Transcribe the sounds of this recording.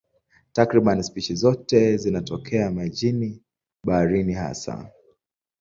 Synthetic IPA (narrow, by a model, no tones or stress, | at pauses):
takɾiɓanispit͡ʃizɔtɛzinatɔkʰɛamad͡ʒini | ɓaaɾiniha̰sa̰